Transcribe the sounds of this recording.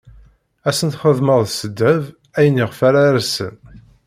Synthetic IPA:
æsənt̪χəðməðˤsəd̪ːæv | æjənːiʁfaɾaɾæsə̰n

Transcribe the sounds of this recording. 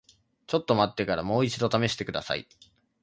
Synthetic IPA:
t͡ɕo̞t̪ːo̞mat̪ːe̞kaɾamo̞ːit͡ɕid̪o̞t̪ame̞ɕi̥t̪e̞kɯ̟d̪a̰sa̰ḭ

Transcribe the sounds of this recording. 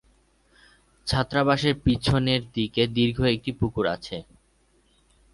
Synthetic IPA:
d͡ʑʰʱat̪ːɾabaʃeɾpit͡ɕʰoneɾd̪iked̪iɾɡʱoek̚ʈipukuɾa̰t͡ɕʰe

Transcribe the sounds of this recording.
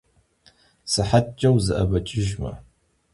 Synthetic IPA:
sɨħatʼt͡ʃʼːɐwzɨʔɐbɐt͡ʃʼɪʒmɐ̰

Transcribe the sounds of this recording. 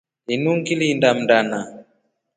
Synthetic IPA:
inuŋɡilindam̩dana

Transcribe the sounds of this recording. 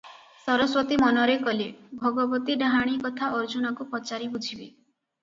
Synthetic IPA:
sɔɾɔswɔt̪imɔnɔɾekɔlebʱɔɡɔbɔt̪iɖaɦaɽ̃ikɔt̪ʰaʔɔɾd͡ʒunɔkupɔt͡ʃaɾibud͡ʒʱibe

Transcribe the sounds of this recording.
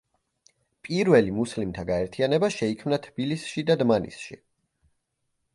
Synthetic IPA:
pʼiɾvɛlimuslimt̪ʰaɡaɛɾt̪ʰianɛbaʃɛikʰmnat̪ʰb̥ilisʃid̪ad̪manḭsʃḭ

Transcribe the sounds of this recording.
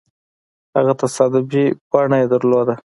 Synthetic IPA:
ha̰ɣat̪asɑd̪ɪbikwɑɳajed̪əɾlod̪a

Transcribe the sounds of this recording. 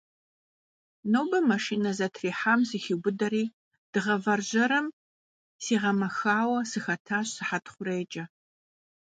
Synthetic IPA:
noːbɐmɐʂiːnɐzɐtʰriːħamzixiɡʷʊdɐɾiː | d̥ɨʁɐvɐrʑɐɾɐm | siːʁɐmɐxaːwɐsɨxɐtʰaːɕsɨħatʰχʷʊreːt͡ʃʼɐ

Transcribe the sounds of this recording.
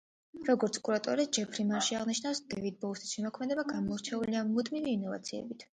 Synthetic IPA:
ɾɔɡɔɾt̪sʰkʼuɾat̪ʼɔɾisd͡ʒɛpʰɾimaɾʃiaʁniʃnawsd̪ɛvid̪̚bɔlsisʃɛmɔkʰmɛd̪ɛbaɡamɔɾt͡ʃʰɛuliamud̪miviːnɔva̰t̪sʰiɛ̰bit̪ʰ

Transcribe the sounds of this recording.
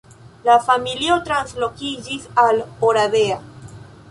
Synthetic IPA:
lafamiliot̪ɾanslo̞kid͡ʒisaloɾaðea

